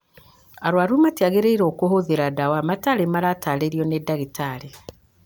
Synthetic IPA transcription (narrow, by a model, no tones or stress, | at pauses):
aɾwaɾumatjaɣeɾeiɾokoɦoðeɾadawamataɾemaɾataleɾiɔnedaɣitaɾe